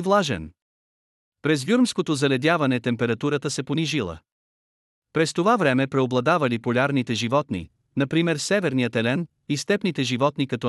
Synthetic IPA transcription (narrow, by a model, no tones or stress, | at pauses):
vlˠaʒɛ̰n | pɾɛzvjuɾmskot̪ozɐlɛd̪ʲavɐnɛt̪ɛmpɛɾɐt̪uɾət̪əsɛponiʒilˠə̰ | pɾɛst̪ovavɾɛmɛpɾɛoblˠɐd̪avɐlipolʲaɾnit̪ɛʒivɔt̪nḭ | nɐpɾimɛɾsɛvɛɾnijət̪ɛlɛn | ist̪ɛpnit̪ɛʒivɔt̪nikɐt̪ɔ